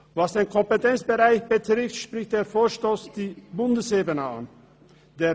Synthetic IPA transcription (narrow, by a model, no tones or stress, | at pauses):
vasd̥eːnkʰɔmpətʰɛnt͡sb̥əʁaɪçb̥ətʁ̥ɪftʃpʁ̥ɪçt̚d̥eːɐfoːɐʃtoːsd̥iːbʊndəseːbənəa̰n | d̥eː